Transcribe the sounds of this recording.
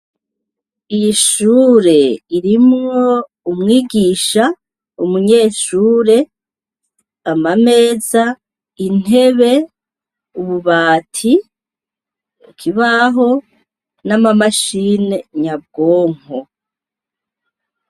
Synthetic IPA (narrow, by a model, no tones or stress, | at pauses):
ijiʃuːɾe̞iɾimŋo̞ | umŋiːɡiːʃa | umuɲe̞ːʃuːɾe̞ | amame̞ːza | in̥e̞βe̞ | uβuβaːtʰi | ukʰiβaɦo̞ | namamaʃine̞ɲab̚ɡoːŋ̥o